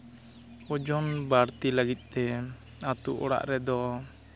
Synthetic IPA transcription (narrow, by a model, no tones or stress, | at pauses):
ɔd͡ʒɔnbaɾt̪iləɡit̪̚ˀt̪ɛ | at̪uʔɔɽa̰ʔɾɛd̪ɔ